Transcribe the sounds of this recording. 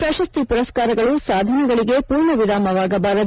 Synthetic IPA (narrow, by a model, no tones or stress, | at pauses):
pɾɐʃɐst̪ipuɾɐskaːɾɐɡɐɭusaːd̪ʱɐnɐɡɐɭiɡe̞puːɾɳɐʋiɾaːmɐʋaːɡɐbaːɾɐd̪